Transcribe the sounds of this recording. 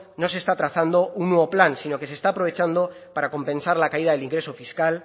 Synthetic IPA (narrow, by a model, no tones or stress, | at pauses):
no̞s̬e̞st̪at̪ɾaθand̪o̞unːweβoplansino̞ke̞s̬est̪aːpɾo̞β̞e̞t͡ʃand̪o̞ | paɾako̞mpẽ̞nsaɾlakaið̞aðe̞liŋɡɾe̞so̞fiskal